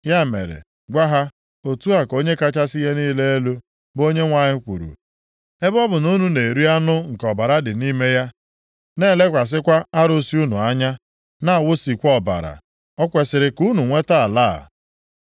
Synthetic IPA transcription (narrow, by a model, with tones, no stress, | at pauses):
ja˦˨mḛ˨ɾḛ˨ | ɡʷa˦ɦa˦ | o˨tu˦a˨ko˦ɲe˦ka˦t͡ʃa˦sɪ˦je˦niː˦le˦e˦lo˦ | bo˦ɲe˦ŋʷa˦ɲɪ˦kʷṵ˨ɾṵ˨ | e˦bɔ˦bʊ˨nu˦nu˨ne˨ɾi˦a˦nʊ˦ŋ̩˨kɔ˨ba˨ɾa˦dɪ˨ni˦me˦ja˦ | ne˦˨le˦kʷa˨s̬ɪ˦kʷa˦a˦ɾo˦si˦u˦nu˨a˦ɲa˦ | na˦a˨wʊ˦si˨kʷɔ˦˨ba̰˨ɾa̰˨ | ɔ˦kʷe˨sɪ˨ɾɪ˨ku˦nu˨ŋʷe˦ta˦˨a˨la̰˦˨